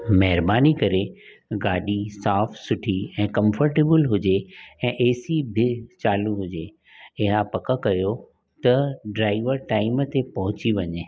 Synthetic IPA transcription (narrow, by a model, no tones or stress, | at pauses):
mɐɦɪɾbaːnikɐɾe | ɡaːɗisaːfsʊʈʰiɛ̃ːkɐ̃mfəɾʈeːbəlɦʊd͡ʑeɛ̃ːʔeːsibʱɪt͡ɕaːluɦʊd͡ʑe | ɪɦapɐkəkɐjo | t̪ɐɖɾaːɪʋəɾʈaːɪmət̪epɐɦʊ̃t͡ɕiʋɐɲeː